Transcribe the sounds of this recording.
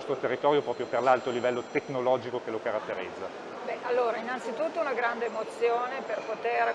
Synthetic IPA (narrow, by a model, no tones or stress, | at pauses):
st̪ɾot̪erːit̪ɔːɾjopɾɔːpɾjoperlalt̪olivɛlːot̪eknolɔːd͡ʒikokelokaɾat̪ːeɾid̪zːa | bɛʔalːoːɾainːant̪sit̪ut̪ːounaɡɾand̪eːmot̪sjoːneperpot̪er